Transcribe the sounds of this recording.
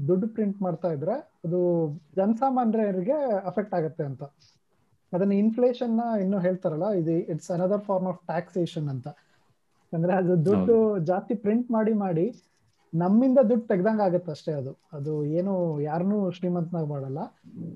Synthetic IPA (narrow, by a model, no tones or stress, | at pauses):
d̪uɖːpɾiɳʈmaːɽt̪aːjid̪ɾe̞ɐd̪ud͡ʒɐnɐsaːmaːnɾɐɐɾiɡe̞ɐpʰek̚ʈaːɡɐt̪ːe̞ɐnt̪ɐ | ɐd̪ɐnːɐinfleːʂɐnːɐenːuːɦeːɭt̪aɾɐlːɐid̪uiʈsɐnɐd̪ɐɾpʰaːɾmaːfʈaːkseːʃɐnːɐnt̪ɐ | ɐnd̪ɐɾeɐd̪ud̪uɖːud͡ʒaːst̪ipɾiɳʈmaːɽimaːɽi | nɐmːind̪ɐd̪uɖːt̪ɛɡɛd̪aːŋɡaːɡɐt̪ːeɐʂʈeɐd̪uɐd̪ueːnujaːɾnuːʃɾiːmɐnt̪naːɡmaːɽɐlːɐ